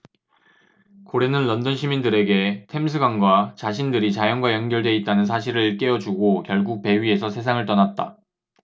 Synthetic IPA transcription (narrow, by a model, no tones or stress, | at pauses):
koɾe̞nɯnlʌndʌnɕʰimindɯɾe̞ɡe̞tʰe̞ms̬ʰɯɡanɡwat͡ɕaɕʰindɯɾit͡ɕajʌnɡwajʌnɡjʌɭdwe̞it̚t͈anɯns̬ʰaɕ̬ʰiɾɯɭk͈e̞ʌd͡ʑuɡokjʌɭɡuk̚pe̞ɥie̞sʰʌsʰe̞s̬ʰaŋɯɭt͈ʌnat̚t͈a̰